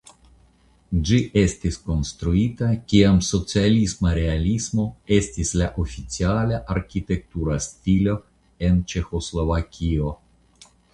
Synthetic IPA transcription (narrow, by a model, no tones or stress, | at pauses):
d͡ʒiʔe̞stisko̞nst̪ɾuitakʲiamso̞t͡sialismaɾe̞alismo̞e̞stislaʔofit͡sialaʔaɾkʲit̪e̞k̚t̪uɾastilo̞ | e̞nt͡ʃe̞xo̞slo̞vakʲʰio̞